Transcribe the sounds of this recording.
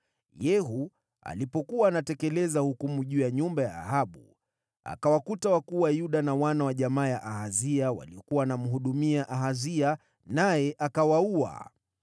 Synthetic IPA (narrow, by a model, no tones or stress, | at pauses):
jɛɦu | a̰lipɔkuwaːnatɛkɛlɛzahukumuʄuːjaɲumbaja̰ːɦaɓu | a̰kawakutawakuwajuɗanawanawaʄamaːjaʔahaziawa̰liɔkuwaːnam̩ɦuɗumiaʔaɦazia | najɛʔakawaua̰